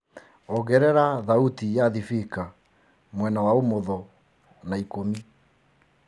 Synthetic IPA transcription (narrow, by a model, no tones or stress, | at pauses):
ɔɣɛɾɛɾaðautijaðifika | mwɛnawaomoðɔ | naikomi